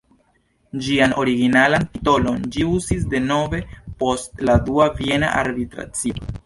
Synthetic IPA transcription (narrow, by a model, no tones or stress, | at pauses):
d͡ʒiano̞ɾiɡinalantito̞lo̞nd͡ʒiuzis̬de̞no̞ve̞po̞stladuavie̞na̰ʔa̰ɾbitɾa̰t͡sio